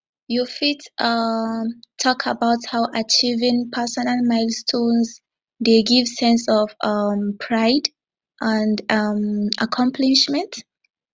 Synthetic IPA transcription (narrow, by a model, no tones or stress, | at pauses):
jufitʌ | tʰɔkʰabawthawʔat͡ʃivɪ̃ŋpʰɛsɔnalmaɪlstʰõnz | deɡivsɛ̃nsɔvʌmpʰɹaɪd | ʔãndʌma̰kʰɔ̃mpʰliʃmɛ̃nt